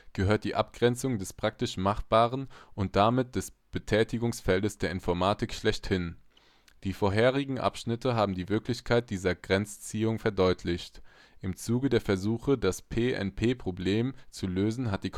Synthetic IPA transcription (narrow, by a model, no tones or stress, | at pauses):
ɡ̥əɦøːɐt̚d̥iːʔap̚ɡ̥ʁɛnt͡sʊŋdɛspʁ̥ak̚tɪʃmaχb̥aːʁənʔʊnt̚d̥amɪt̚d̥ɛsb̥ətʰɛːtɪɡʊŋsfɛldəsd̥eːɐɪnfɔɐmaːtɪkʃlɛçthɪn | d̥iːfoːɐɦeːʁ̞ɪɡŋ̩ʔa̰pʃnɪtʰəɦaːbm̩diːvɪɐklɪçkʰaɪt̚d̥iːzɐɡʁɛnt͡st͡siːʊŋfɛɐdɔʏtʰlɪçt | ʔɪmt͡suːɡədeːɐfɛɐzuːxədaspʰeːʔɛ̰npʰeːpʁ̥obleːmt͡suløːzn̩ɦat̚d̥iːkʰ